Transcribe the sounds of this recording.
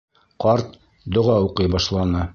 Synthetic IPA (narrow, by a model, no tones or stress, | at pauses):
qɑɾt̪̚ | d̪ŏʁɑuqɤjbɑʃlˠɑnɤ